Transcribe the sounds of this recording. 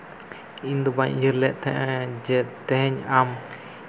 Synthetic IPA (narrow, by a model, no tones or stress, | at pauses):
ind̪ubaɲjəɾlɛʔt̪ʰɛ̰ʔɛd͡ʒɛt̪ɛɦɛɲam